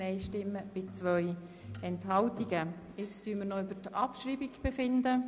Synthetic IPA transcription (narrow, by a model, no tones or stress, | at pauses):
ɛɪʃtɪmːəb̥ɪt͡svœʏ | ɛnthɑltiɡə | ɪt͡styːəmənoybətɑpʃɾiːbikb̥ɛfɪndə